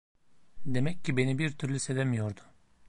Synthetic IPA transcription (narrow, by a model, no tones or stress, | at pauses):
d̪e̞mɛcːibe̞nibiɾt̪ʰyɾlʲyse̞d̪emijo̞ɾd̪ʊ̥